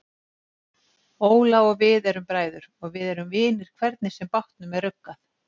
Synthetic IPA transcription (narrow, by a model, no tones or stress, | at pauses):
oːwlaɔɣvɪðɛɾʏmpɾaːjðʏɾ̥ɔɣvɪðɛɾʏmvɪːnɪɾ̥kʰvɛɾt̪nɪsɛmpaht̪nʏmɛðrʏkːaθ